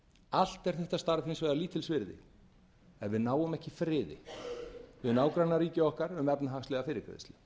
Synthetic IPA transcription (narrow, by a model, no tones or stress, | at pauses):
al̥t̪ɛɾ̥θɛht̪ast̪aɾvhɪnsvɛːðaliːt̪ʰɪlsvɪɾðɪ̰ | ɛnvɪðnaːwʏmɛhcɪfɾɪːðɪ̰ | vɪðnaːwkɾanaɾiːcɪɔhkaɾʏmvɛpnaɦaxst̪lɛɣafɪːɾɪɾkʰɾɛ̰ðɪst̪ɪ